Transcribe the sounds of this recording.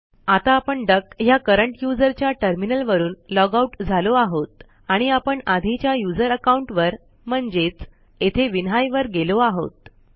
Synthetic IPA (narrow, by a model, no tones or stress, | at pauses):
at̪aːpəɳɖəkɦjakəɾəɳʈjud͡zəɾt͡ɕjaʈəɾminəlʋəɾuːnlɔɡauʈd͡zʱaloaɦot̪̚ | aɽ̃iapəɳad̪ʱit͡ɕjajud͡zəɾəkauɳʈʋəɾ | m̤əɳd͡zet͡s | et̪ʰeʋinɦajʋəɾɡeloaɦo̰t̪̚